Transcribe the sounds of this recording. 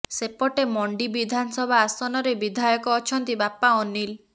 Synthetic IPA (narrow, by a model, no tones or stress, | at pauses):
sepɔʈemɔɳɖibid̪ʱanɔsɔbʱaːsɔnɔɾebid̪ʱajɔkɔːt͡ʃʰɔnt̪ibapaɔnil